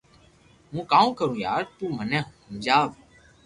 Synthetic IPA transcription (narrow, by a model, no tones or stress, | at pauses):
mũːkãːkəɾũːjaːɾt̪ũːmənɛ̃ːɦũːd͡ʒaːʋ